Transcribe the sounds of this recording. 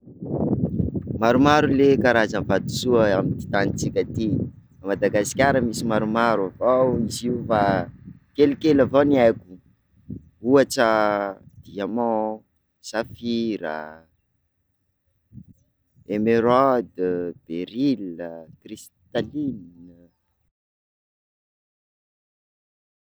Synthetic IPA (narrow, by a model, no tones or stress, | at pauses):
maɾumaɾulekaɾazənvad̪u̥suaamid̪i̥t̪anit͡sikʲat̪i | amad̪aɡasi̥kʲaɾəmisimaɾumaɾuavawniziufa | kelikelavoniajku̥ | uaʈ͡ʂəd̪̥iamɔ̃ | safiɾə̰ | emeɾɔd̪b̥eɾiləkris | t̪alin